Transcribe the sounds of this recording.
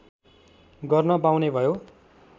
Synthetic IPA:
ɡʌrnʌbawnebʱʌjo

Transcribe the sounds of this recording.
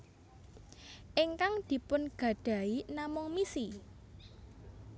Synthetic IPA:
ʔɪŋkaŋd̪̥i̤pʊnɡ̥ä̤ɖ̥ä̤inamʊŋmisi

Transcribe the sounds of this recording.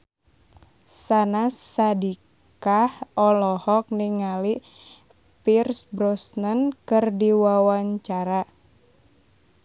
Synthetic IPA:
sanasːadi | kahɔlɔhɔk̚niŋali | pirsbɾɔsnənkɨrdiwawaɲt͡ʃaɾa

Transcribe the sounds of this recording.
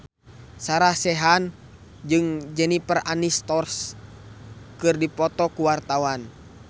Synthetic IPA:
saɾahsɛɦan | d͡ʒɨŋd͡ʒənipəranist̪ɔrs | kɨrdipɔt̪ɔkuwart̪awan

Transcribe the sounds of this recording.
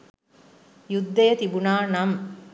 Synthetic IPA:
jud̪ːejɐt̪ibunaːnɐm

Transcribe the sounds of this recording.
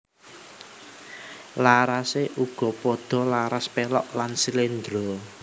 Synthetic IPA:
laɾaseʔuɡ̥ɔ̤pɔd̪̥ɔ̤laɾaspelɔ̰ʔlansilend̪ɾɔ

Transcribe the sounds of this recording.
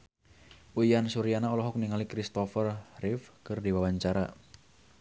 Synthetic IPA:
ʔujansuɾijanaɔlɔɦɔk̚niŋalikɾist̪ɔfərrɪfkərdiwawaɲt͡ʃaɾa

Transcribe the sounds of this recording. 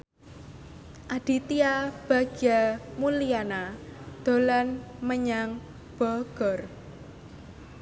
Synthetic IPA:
ʔad̪̥i̤t̪iab̥a̤ɡ̥amulianad̪̥o̤lanməɲaŋ | b̥ɔɡ̥ɔr

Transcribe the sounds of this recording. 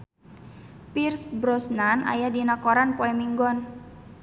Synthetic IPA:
pirsbɾɔsnana̰jadinakɔɾanpoɛmiŋɡɔn

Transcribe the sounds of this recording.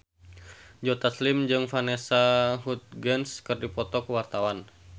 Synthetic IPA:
d͡ʒɔt̪aslimd͡ʒɨŋfanɛsaɦut̪̚ɡɛnskɨrdipɔt̪ɔkuwart̪awan

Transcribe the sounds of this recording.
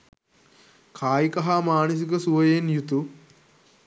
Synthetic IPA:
kʰaːjikɐɦamaːnəs̬ikəsuʋɐjenjut̪u

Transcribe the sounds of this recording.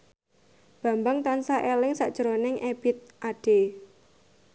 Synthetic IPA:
b̥ä̤mbaŋt̪ansaʔelɪŋsaʔd̥ʒ̥əɾonɪŋʔeb̥it̪̚ʔaɖ̥e

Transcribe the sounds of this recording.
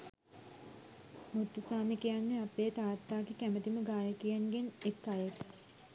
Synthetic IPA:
mut̪ːusaːmikejanːeapeːt̪aːt̪ːaːkikæmət̪iməɡaːjəkijanɡenekːaːjək̪

